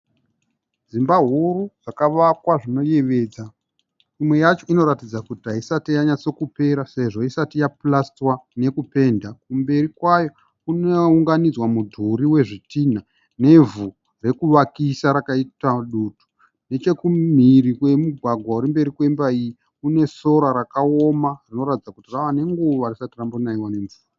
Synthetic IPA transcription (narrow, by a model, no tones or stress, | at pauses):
zimbaɦuɾuʐakaʋakwaʐino̞je̞ʋe̞ːd͡za | imwe̞jat͡ʃo̞ino̞ɾatid͡zakutiaisatijaɲat͡so̞kupe̞ɾase̞ʐo̞isatijaplastwane̞kupe̞ːndak̚umbe̞rikwajo̞ | kuneuŋɡanid͡zwamudʱuɾiwe̞ʐitin̤a | ne̞vu | re̞kuʋakisaɾakaitaɗuːtʰu̥ | ne̞t͡ʃe̞kum̤irikwe̞muɡʱwaɡʱwauɾimbe̞ɾikwe̞mbaiji | kune̞so̞ɾaɾakao̞marino̞ɾatid͡zakutiraʋane̞ŋɡuʋarisatirambonaiwane̞ɱvuːra